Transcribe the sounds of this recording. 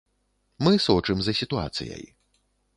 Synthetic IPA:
mɨsɔt͡ʂɨmzɐsʲit̪ua̰t̪sɨ̰jɐ̰j

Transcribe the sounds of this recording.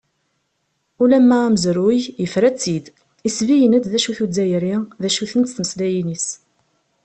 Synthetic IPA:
ulæmːææməzɾujjəfɾæt͡sːid̪ | isvijənæd̪ðæʃuθud͡zːæjɾiðæʃuθənt̪θməslæjinis

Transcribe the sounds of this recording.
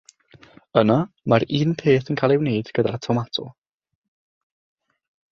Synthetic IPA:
ənamaɾiːnpʰeːθənkʰaːlˠɛwneːd̥ɡ̥ədaɾatʰɔmatʰʊ̰

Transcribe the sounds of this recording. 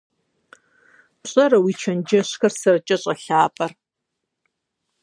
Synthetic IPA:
ɕʼɐrɐwiːt͡ʃʰɐnd͡ʒɐɕxɐrsɐrɐt͡ʃʼɐɕʼɐɬaːpʼɐr

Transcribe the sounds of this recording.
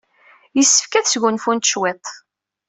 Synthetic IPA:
jəsːə̥fkæθsɡʊnfunt̪ʃwet̪ˤ

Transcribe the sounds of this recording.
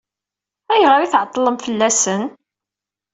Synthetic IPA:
æjəʁəɾiθʕət̪ˤːləmfəlːæsən

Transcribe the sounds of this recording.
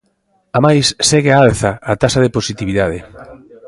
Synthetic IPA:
amajsːɛɣeaalθɐat̪asaðeposit̪iβiðað̞ɪ

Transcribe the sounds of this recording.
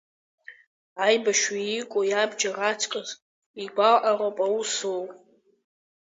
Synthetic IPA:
ajbaʃwiikʷʼojabd͡ʒarat͡sʰʼkʼaz | iɡʷalʔaropʼausowʼ

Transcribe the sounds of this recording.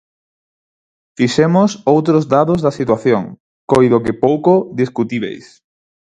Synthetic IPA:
fiʃɛmʊsowt̪ɾozd̪aðozðɐsit̪waθjoŋ | kojðokɪpowkoðiskut̪iβḛjs

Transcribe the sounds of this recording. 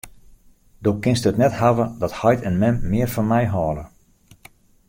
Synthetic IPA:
doːkɪnstəətnɛthaʋədɔthɔjtʰɛnmɛmːɪːərfɔnmɛjɦɔːlə

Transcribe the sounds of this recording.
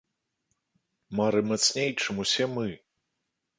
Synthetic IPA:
maɾɨmat̪snʲejt͡ʂɨmusʲɛmɨ

